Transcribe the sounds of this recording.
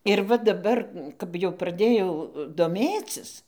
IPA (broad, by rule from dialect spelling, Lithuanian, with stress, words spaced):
ɪr ˈʋɐ dɐˈbɐr kɐp jɛʊ prɐˈdʲeːjɛʊ doːˈmʲeːt͡sʲɪs